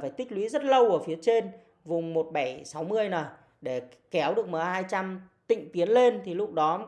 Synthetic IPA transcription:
faː˧˩jt̪ï˦˥k̟̚lwi˨˦zə˦˥t̚lə˧wku˧˩fi˨˦ət͡ɕe˧n | vʊ˨˩ŋ͡mmo˨˩t̚ɓa˧˩jsa˨˦wmɨ˧əjnaː˨˩j | ɗe˧˩ | kɛ˨˦wɗɨ˨˩ək̚məː˨˩haː˧jt͡ɕa˧mt̪ḭ̈˧˨ŋ̟t̪i˨˦ənle˧nt̪ʰi˨˩lʊ˦˥k͡p̚ɗɔ˨˦

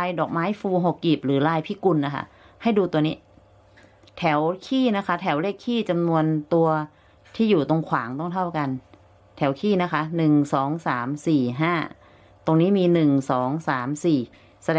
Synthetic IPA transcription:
a˧jdɔː˨˩k̚maː˦˥jfuː˧ɦo˨˩kːi˨˩p̚ɾɯː˩˦laː˧jpʰiː˦˥˩ku˧nːa˦˥˩kʰa̰˥˩ | ha˥˩jduː˧t̪u˧ni˦˥ | t̪ʰɛ˩˦wkʰiː˥˩na˦˥kʰa˦˥˩t̪ʰɛ˩˦wleː˥˩kʰːiː˥˩t͡ɕa˧mnu˧ənt̪u˧ɐ | t̪ʰiː˥˩juː˨˩t̪o˧ŋkʰwaː˩˦ŋt̪ɔ˥˩ŋt̪ʰa˥˩wka˧n | t̪ʰɛ˩˦wkʰiː˥˩na˦˥kʰa˦˥nɯ˨˩ŋsɔː˩˦ŋsaː˩˦msiː˨˩ɦaː˥˩ | t̪o˧ŋniː˦˥miː˧nɯ˨˩ŋsɔː˩˦ŋsaː˩˦msiː˨˩ | sa˧dɛ˧

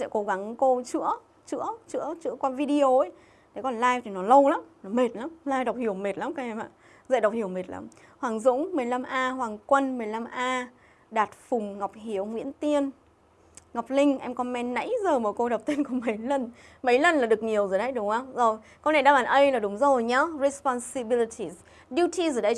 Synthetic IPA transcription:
sɛ̰˧˥ko˨˦ɣa˨˦ŋko˧t͡ɕɨ̰˧˥ə | t͡ɕɨ̰˧˥ət͡ɕɨ̰˧˥ət͡ɕɨ̰˧˥əkwaː˧vi˧ɗi˧o˧ə˦ | ɗe˨˦kɔ˨˩nlaː˧jt̪ʰi˨˩nɔ˨˦lə˧wlaː˨˦mnɔ˨˦me˨˩t̚laː˨˦mlaː˧jɗwk͡p̚hi˨˩əwme˨˩t̚laː˨˦mkaː˨˦ʔɛ˧mʔa̰ː˧˨ | zə̰˧˨jɗa˨˩wk͡p̚hi˨˩əwme˨˩t̚la̰ː˨˦m | hwaː˨˩ŋzʊ̰˧˥ŋ͡mmɨ˨˩əjla˧mʔaː˧hwaː˨˩ŋkwə˧nmɨ˨˩əjla˧mʔaː˧ | ɗaː˨˩t̚fʊ˨˩ŋ͡mŋa˨˩wk͡p̚hi˧˩əwŋwḭ˧˥ənt̪i˧ən | ŋ˨˩wk͡p̚lï˧ŋ̟ʔɛ˧mkɔ˧nmɛ˧nnə̰˧˥jzəː˨˩məː˨˩ko˧ɗa˨˩k͡p̚t̪i˧ənkɔ˨˧˦mə˨˦jlə˨˩n | mə˨˦jlə˨˩nlaː˨˩ɗɨ˨˩ək̚ɲi˨˩əwzəː˨˩ɗə˨˦jɗʊ˨˦ŋ͡mə˧wŋ͡mzo˨˩j | kɔ˧na˨˩jɗaː˧ɓaː˨˩nʔə˧jlaː˨˩ɗʊ˨˦ŋ͡mzo˨˩jɲa˧˦zi˧spɔ˧˩nsi˧ɓi˧li˧tʰi˨z | ɗi˧tʰi˧zːɗə˧j

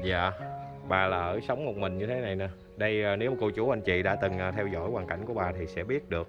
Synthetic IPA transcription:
za̰ː˧˨ | ɓaː˨˩laː˨˩ʔəː˧˩sə˨˦wŋ͡mmo˨˩t̚mï˨˩ŋ̟ɲɨ˧t̪ʰe˨˦na˨˩jna˨˧˩ | ɗə˧jaː˨˩ne˨˦wmaː˨˩ko˧˩wt͡ɕu˧˩ʔa˧jŋ̟t͡ɕḭ˧˨ɗa̰ː˧˥t̪ɨ˨˩ŋʔaː˨˩t̪ʰɛ˧wzɔ̰˧˥˨jwaː˨˩ŋka̰˧˩jŋku˧˩əɓaː˨˩t̪ʰi˨˩sɛ̰˧˥ɓi˦˥ət̚ɗɨ˨˩ək̚

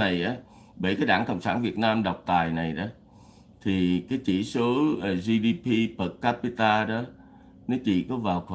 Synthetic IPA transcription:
a˨˩jʔaː˨˦ | ɓə˧˩jkaː˨˦jɗaː˧˩ŋkə̰˧˩wŋ͡msa̰ː˧˩nvi˨˩ət̚naː˧mɗa˨˩wk͡p̚t̪aː˨˩jna˨˩jɗɔ˨˦ | t̪ʰi˨˩kaː˨˦jt͡ɕḭ˧˩so˨˦˨zi˧ɗi˧pʰi˧pə˨˩kːaː˦˥pi˧t̪aː˧ɗɔ˨˦ | nɔ˨˦t͡ɕḭ˧˨kɔ˨˦vaː˨˩wkə˧

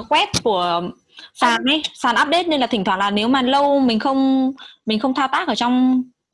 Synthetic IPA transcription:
kwɛ˦˥t̚ku˧˩ə | saː˨˩nʔa˧jsaː˨˩nʔaː˦˥p̚ɗe˦˥t̚ne˧nlaː˨˩t̪ʰŋ̟t̪ʰwaː˧˩laː˨˩ne˨˦wmaː˨˩lə˧wmï˨˩ŋ̟xə˧wŋ͡mmï˨˩ŋ̟xə˧wŋ͡mt̪ʰaː˧wt̪aː˦˥k̚əː˧˩t͡ɕɔ˧wŋ͡m

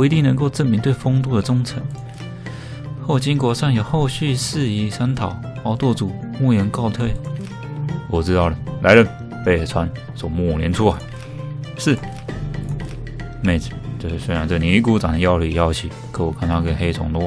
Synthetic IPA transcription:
e˧˥ɪt̪i˥˩ŋnə˧˥ŋko˥˧ʊʈ͡ʂə˥˩nmi˧˥ŋt̪we˥˩ɪfo˥ŋt̪̬u˥˩d̪ə˩t͡sʊ˥ŋt͡sʰə˧˥ŋ | xo˥˩ʊt͡ɕi˥ŋkwɔ˧˥sʰa˥˩ŋjo˨˩ʊxo˥˧ʊɕy˥˧s̩˥˧i˧˥sa˥nt̪ʰɑ˨˩ʊɑ˧˥ʊt̪wɔ˥˩t͡su˨˩mu˥˩jə˧˥nkɑ˥˧ʊt̪ʰwe˥˩ɪ | wɔ˨˩ʈ͡ʂɻ̩˥t̪ɑ˥˩ʊlə˩la̰˧˥ɪlə˨ | pe˥˩ɪ˧˩t͡sʰwa˦˥n | swɔ˨˩mu˥˩˨ljɛ˧˥nʈ͡ʂʰu˥la˨˧˥ɪ | ʂɻ̩˥˩ | me˧˩ɪt͡st͡ɕo˥˧ʂ̩˥˩swe˥ɻa˧nt͡sə˥˩˨ni˨˧˥i˥˩ku˥ʈ͡ʂɑ˨˩ŋd̪ə˦jɑ˥˧ʊli˥˩jɑ˥˧ʊt͡ɕʰi˨˩ | kʰɤ˧˥˩wɔ˨˩kʰa˥nt̪ʰa˥kə˥nxe˥ɪt͡sʰʊ˧˥ŋt̪ɔ˥˦

